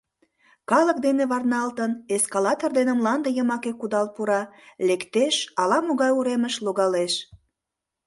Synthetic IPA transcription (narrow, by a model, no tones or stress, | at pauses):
kɑlək̚d̪eneβɑrnɑlt̪əneskɑlɑt̪ord̪enəmlɑnd̪əjəmɑkekːud̪ɑlpuɾɑlekt̪eʃɑlɑmoɣɑjuɾeməʃloɣɑleʃ